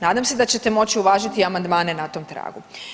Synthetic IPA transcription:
naːd̪amse̞d̪at͡ɕe̞t̪e̞mo̞t͡ɕiuʋaːʒit̪iamand̪maːne̞nat̪o̞ːmt̪ɾa̰ːɡu

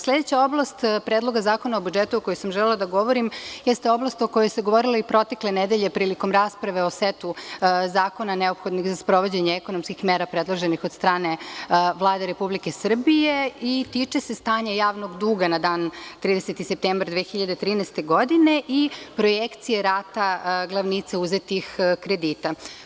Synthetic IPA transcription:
slʲe̞d̪et͡ɕao̞blˠast̪pɾeːd̪lˠo̞ɡazaːko̞naobud͡ʒet̪uoko̞jojsamʒɛlelad̪aɡo̞ʋo̞ɾimjɛst̪eo̞blˠast̪okojoseɡo̞ʋo̞ɾilaipɾo̞t̪e̞klened̪eʎe̞pɾiːliko̞mɾaːspɾaʋe̞o̞set̪uzaːko̞nane̞o̞pxo̞d̪nixzaspɾo̞ʋo̞d͡ʑeɲeeko̞nomskixmeːɾapɾed̪lˠoʒenixo̞d̪st̪ɾaːne̞ʋlˠaːd̪eɾepublikesr̩bijeit̪it͡ʂese̞st̪aːɲajaːʋno̞ɡd̪uːɡanad̪aːnt̪ɾiːd̪eset̪isep̚t̪eːmbɾd̪ʋeːxiʎad̪et̪ɾiːnɛst̪eɡo̞d̪ine̞ʔipɾo̞jekt̪sijeɾaːt̪aɡlˠaʋnit̪seuze̞t̪ixkɾe̞d̪iːt̪a

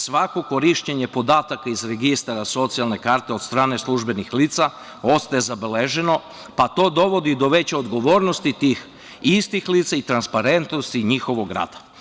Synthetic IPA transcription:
sʋako̞ko̞ɾiʃt͡ɕeɲe̞po̞d̪aːt̪akaizɾeɡist̪aɾaso̞t̪sijalne̞kaːɾt̪eo̞t̪st̪ɾaːne̞slˠuʒbe̞nixliːt̪sa | o̞st̪ajezabeleʒe̞no̞ | pat̪o̞ːd̪o̞ʋo̞d̪id̪o̞ʋe̞t͡ɕeo̞d̪ɡo̞ʋo̞ːɾnost̪it̪ix | ist̪ixliːt̪sait̪ɾanspaɾe̞nt̪nost̪iɲixo̞ʋoɡɾa̰ːd̪̥ḁ

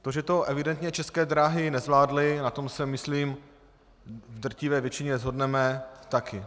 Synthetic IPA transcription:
t̪oʒɛt̪o̞ʔɛvɪdɛnt̪ɲɛt͡ʃɛskɛːd̪ɾaːɦɪnɛzvlaːdlɪnat̪o̞msɛmɪsliːm | vd̪r̩cɪvɛːvjɛt͡ʃɪɲɛzɦo̞dnɛmɛt̪akɪ

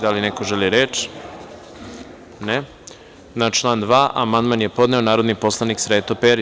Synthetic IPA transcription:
d̪alineko̞ʒeliɾet͡ʃ | ne | nat͡ʃlˠaːnd̪ʋaːʔa̰mand̪manjepo̞d̪ne̞o̞naːɾo̞d̪nipo̞slˠaniksɾeːt̪opeɾ

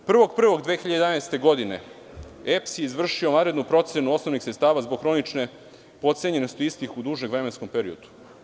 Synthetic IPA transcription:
pr̩ʋo̞ɡpr̩ʋo̞ɡd̪ʋeːxiʎad̪eanajst̪e̞ɡo̞d̪ine̞̰ | epsjeizvr̩ʃio̞ʋanɾe̞d̪nupɾo̞t̪senuo̞snoʋnixsɾet̪st̪aːʋazboɡxɾo̞nit͡ʃne̞ | po̞t̪seɲe̞nest̪oist̪ixud̪uːʒneɡʋɾemensko̞mpeɾiod̪̥u̥

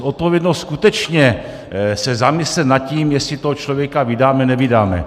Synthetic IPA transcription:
ʔot̪̚povjɛdnost̪skut̪ɛt͡ʃɲɛ | sɛzamɪslɛt̪nat̪ciːmjɛsɪt̪oɦot͡ʃlo̞vjɛkavɪdaːmɛnɛvɪdaːmɛ̰

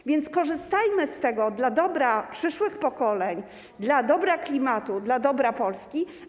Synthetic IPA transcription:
vʲjɛnt̪skɔʐɘst̪ajmɘst̪ɛɡɔd̪lad̪ɔbɾapʂɘʂwɘxpɔkɔlɛɲ | d̪lad̪ɔbɾaklʲimat̪ud̪lad̪ɔbɾapɔlskʲi

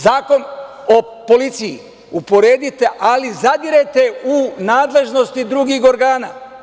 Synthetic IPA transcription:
zaːko̞n | o | po̞lit̪sijḭ | upo̞ɾeːd̪it̪e̞ʔalizad̪iɾet̪e̞unaːd̪le̞ʒno̞st̪id̪ɾuɡixo̞ɾɡaːna̰

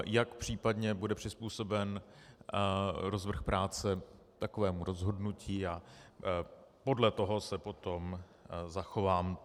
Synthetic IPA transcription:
jakpr̝̥iːpadɲɛbudɛpr̝̥ɪspuːso̞bɛn | ɾozvr̩xpɾaːt͡sɛ | t̪akovɛːmuɾo̞zɦo̞dnucʰiːa | po̞dlɛt̪o̞ɦo̞sɛpo̞t̪o̞m | zaxo̞vaːm

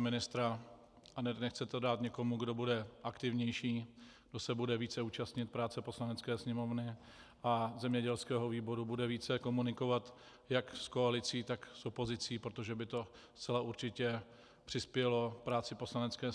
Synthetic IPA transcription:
mɪnɪst̪ɾa | anɛxt͡sɛt̪ɛdaːt̪ɲɛko̞muɡdo̞budɛʔakt̪ɪvɲɛjʃiːɡdo̞sɛbudɛviːt͡sɛuːt͡ʃast̪ɲɪt̪̚pɾaːt͡sɛpo̞slanɛt͡skɛːsɲɛmo̞vnɪ | ʔazɛmɲɛɟɛlskɛːɦo̞viːbo̞ɾubudɛviːt͡sɛko̞munɪko̞vat̪ | jaksko̞alɪt͡siːt̪aksopo̞zɪt͡siːpɾot̪o̞ʒɛbɪt̪o̞ | st͡sɛlauɾt͡ʃɪcɛ | pr̝̥ɪspjɛlo̞fpɾaːt͡sɪpo̞slanɛt͡skɛː

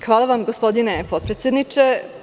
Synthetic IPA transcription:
xʋaːlˠaʋamɡospo̞d̪inepo̞t̪̚pɾet̪ʲjed̪nit͡ʃe

